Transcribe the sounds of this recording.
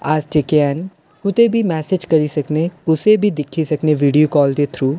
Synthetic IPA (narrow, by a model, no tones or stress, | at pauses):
aːst͡ʃekɛːn | ʊt̪ebʱiːmɛːsed͡ʒkəɾisəkneʊsebʱiːd̪ɪkʰːisəkneʋiːɖioːkɔːld̪eːt̪ʰɾuː